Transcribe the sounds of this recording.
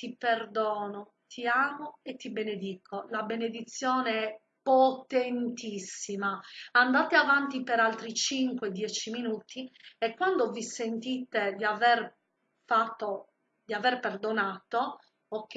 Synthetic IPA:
t̪iperd̪ɔːno | t̪ʰiaːmoet̪ːibened̪iːkʰolabened̪it̪sːjɔːneɛ | pːot̪ent̪isːimaand̪aːt̪eavant̪ipeɾalt̪ɾit͡ʃiŋkwed̪jɛt͡ʃiminuːt̪iekːwand̪ovisent̪iːt̪ed̪iavɛr | fat̪ːo | d̪iavɛrperd̪onaːt̪o | okː

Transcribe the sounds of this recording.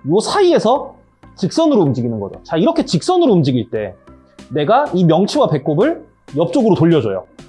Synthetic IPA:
josʰaie̞sʰʌ | t͡ɕik̚s͈ʌnɯɾomd͡ʑiɡinɯnɡʌd͡ʑo̰t͡ɕaiɾʌkʰe̞t͡ɕik̚s͈ʌnɯɾoumd͡ʑiɡiɭt͈e̞ | ne̞ɡaimjʌŋt͡ɕʰiwape̞k͈̚obɯɭ | jʌp̚t͡ɕ͈oɡɯɾotoʎːʌd͡ʑʌ̰jo̰

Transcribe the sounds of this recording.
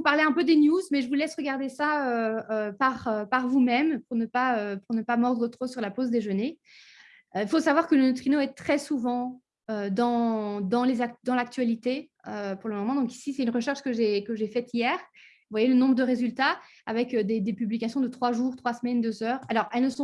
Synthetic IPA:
vupaʁleɛ̃pød̪enjuzmɛʒəvulɛsʁəɡaʁd̪esaøøpaʁøpaʁvumɛmpuʁnəpaøpuʁnəpamɔʁd̪ʁət̪χosyʁlapozd̪eʒəne | øifosavwaʁkələnøt̪χinoɛt̪χɛsuvɑ̃ | ød̪ɑ̃d̪ɑ̃lezad̪ɑ̃lak̚t̪ɥalit̪e | øpuʁləmɔmɑ̃d̪ɔ̃ki̥sisɛt̪ynʁəʃɛʁʃkəʒekəʒefɛt̪ijɛːʁ | vwajelənɔ̃bʁəd̪əʁezylt̪a | avɛkød̪ed̪epyblikasjɔ̃d̪ət̪χwaʒuʁt̪χwasmɛnd̪øzœːʁalɔʁɛlnəsɔ̃

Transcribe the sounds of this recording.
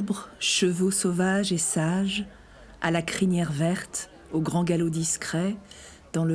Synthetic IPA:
bʁʃəvosovaʒesaʒ | a̰lakχinjɛʁvɛʁt̪ | oɡʁɑ̃ɡalod̪iskχɛ | d̪̥ɑ̃lə

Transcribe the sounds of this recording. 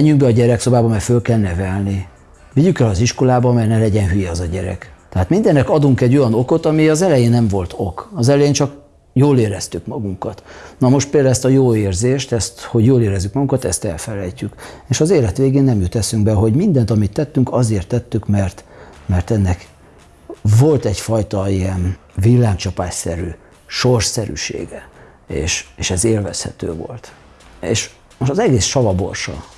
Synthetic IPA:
ɛɲːyŋɡ̚bɛɒɟɛɾɛkso̞baːbɒmɛfølkɛlnɛvɛlni | viɟykɛlɒziʃko̞laːbɒmɛrnɛlɛɟɛnɦyjɛɛzɒɟɛɾɛ̰kt̪ɛɦaːt̪mind̪ɛnːɛkɒd̪uŋkɛɟːo̞jɒno̞ko̞t̪ɒmiɒzɛlɛjeːnːɛɱvo̞lt̪ʰo̞kɒzɛlɛjeːnt͡ʃɒk | joːleːɾɛst̪ykmɒɡuŋkɒt̪nɒmo̞ʃt̪peːld̪aːlɛst̪ɒjoːeːrzeːʃt̪ɛst̪ho̞ɟjoːleːɾɛzːykmɒɡuŋkɒt̪ɛ̰st̪ɛ̰lfɛlɛjcykeːʃɒzeːlɛt̪ʋeːɡeːnːɛmjut̪ɛsyŋɡbɛɦo̞ɟmind̪ɛnt̪ɒmit̪ːɛt̪ːyŋkɒzeːrt̪ːɛt̪ːykmɛrt̪mɛrt̪ɛnːɛk | vo̞lt̪ɛcfɒjt̪ɒiɛnvilːaːŋkt͡ʃɒpaːʃsɛɾy | ʃorsɛɾy̰ʃḛːɡɛ | ḛːʃeːʃɛzeːlvɛshɛ̰t̪ø̰ːvo̰lt̪ | ḛːʃ | moʃt̪ɒzɛɡeːsʃɒvɒbo̞̰rʃɒ̰

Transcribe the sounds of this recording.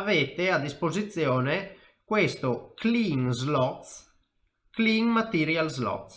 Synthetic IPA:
avet̪ead̪ːispozit̪sjɔːne | kwest̪okliŋzlɔt̪ | kliŋmat̪iɾjalzlɔ̰t̪

